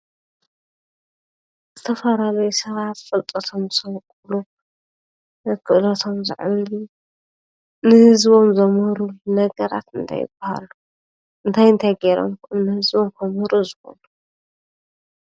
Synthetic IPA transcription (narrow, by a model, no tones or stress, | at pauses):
zɨt̪ʰɐfɐlalɐjusɐβat̪fʼɨlt̪ʼɐt̪ʰomsɐwkʼulu | kʰɨʔlɐt̪ʰo̞mzɨ̰ʕβlu | nɨhɨzβomzɐmhɨɾunɐɡɐɾa̰t̪ɨnt̪ʰa̰jɪ̰bɐha̰lu | ɨnt̪ʰajɨnt̪ʰajɡeɾo̰mkmnɨhɨzβomkʰɐmhɨɾuzɨxo̞̰nu